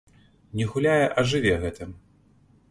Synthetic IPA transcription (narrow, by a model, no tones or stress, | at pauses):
nʲɛɣulʲajɛʔɐʐɨvʲɛɣɛt̪ɨm